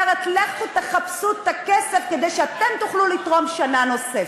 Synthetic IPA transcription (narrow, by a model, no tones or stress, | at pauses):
ʁet̪laχt̪ut̪eχapsut̪akese̞fked̪ejʃeat̪e̞mt̪uχlulit̪ʁo̞mʃanano̞sef